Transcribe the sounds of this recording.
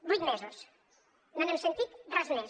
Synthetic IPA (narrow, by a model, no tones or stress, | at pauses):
bujt̪mɛzos | nonɛmsent̪it̪d̪ɾazmɛ